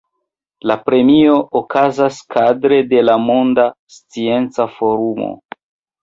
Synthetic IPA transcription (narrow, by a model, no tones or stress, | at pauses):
lapɾe̞mio̞ʔokazaskʰadɾe̞de̞lamondast͡sie̞nt͡safo̞ɾumo̰